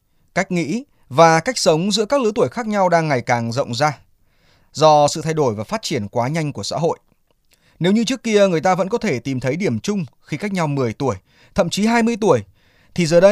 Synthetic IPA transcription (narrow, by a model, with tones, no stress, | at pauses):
ka˦˥jk̟̚ŋḭ˧˥ | vaː˨˩ka˦˥jk̟̚sə˨˦wŋ͡mzɨ̰˧˥əkaː˦˥k̚lɨ˨˦t̪u˧˩əjxaː˦˥k̚ɲa˧wɗaː˧ŋːa˨˩jkaː˨˩ŋzə̰˧˨wŋ͡mzaː˧ | zɔ˧sɨ̰˧˨t̪ʰa˧jɗo˧˩jvaː˨˩faː˦˥t̚t͡ɕi˧˩ənkwaː˨˦ɲa˧jŋ̟ku˧˩əsa̰ː˧˥ɦo̰˧˨j | ne˨˦wɲɨ˧t͡ɕɨ˦˥kːi˧əŋɨ˨˩əjt̪aː˧və̰˧˥nkɔ˨˦t̪ʰe˧˩t̪i˨˩mt̪ʰə˨˦jɗi˧˩əmt͡ɕʊ˧ŋ͡mxi˧ka˦˥jk̚ɲa˧wmɨ˨˩əjt̪u˧˩əj | t̪ʰə̰˧˨mt͡ɕi˨˦ɦaː˧jmɨ˧əjt̪u˧˩əj | t̪ʰi˨˩zəː˨˩ɗə˧j